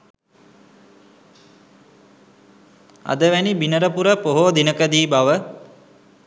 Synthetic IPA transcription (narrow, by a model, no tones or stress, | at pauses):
a̰d̪əʋænibinəɾəpuɾəpoɦoːd̪inəkəd̪iːbaʋə